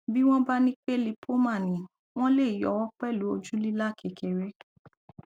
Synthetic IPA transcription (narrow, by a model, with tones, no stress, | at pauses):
bi˦w̃ɔ̃˦ba˦nĩ˦k͡pe˦˨li˧pʰo˦mã˦˨nĩ˨ | w̃ɔ̃˦le˦˨i˨jɔ˨wɔ˦k͡pɛ˦˨lu˨˦o˧d͡ʒu˦li˦la˦˨kʰɛ˨kʰɛ˨ɾɛ˦